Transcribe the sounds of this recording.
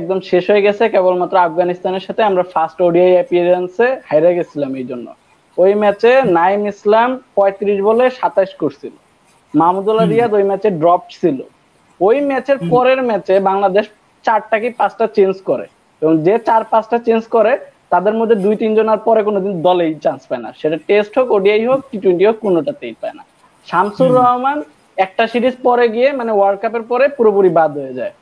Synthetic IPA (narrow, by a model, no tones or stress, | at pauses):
ɛk̚d̪omʃeʃɦoeɡɛt͡ɕʰekebolmat̪ːɾoafɡanist̪aneɾʃat̪ʰeamɾafʰasʈoɖiajɛpieɾensehajɾaɡet͡ɕʰilamejd͡ʑonːo̰ | ojmɛt͡ɕenajmislampɔet̪iɾiʃboleʃat̪aʃkoɾsʰilo̰ | mamud̪ulaɾiad̪ojmɛt͡ɕeɖɾɔp̚ʈsʰilo̰ | ojmɛt͡ɕeɾpɔɾeɾmɛt͡ɕebaŋlad̪eʃ | t͡ɕaɾʈakepat͡ɕʰʈat͡ɕend͡ʑkɔɾḛ | ebɔŋd͡ʑet͡ɕaɾpat͡ɕʈat͡ɕend͡ʑkɔɾet̪ad̪eɾmod̪ʱːed̪ujt̪ind͡ʑonaɾpɔɾekonod̪ind̪ɔlejt͡ɕanspaena̰ʃeʈaʈesʈɦokoɖiajɦok̚ʈiʈweɳʈiɦokːonoʈat̪ejpaena̰ | ʃamsuɾɔɦman | ɛk̚ʈasiɾid͡ʑpɔɾeɡiemanewaɾɖkapeɾpɔɾepuɾopuɾibad̪ɦojed͡ʑae